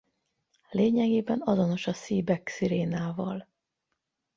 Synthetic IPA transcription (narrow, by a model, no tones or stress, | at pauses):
leːɲɛɡeːbɛnɒzo̞no̞ʃɒsiːbɛksiɾeːnaːvɒ̰l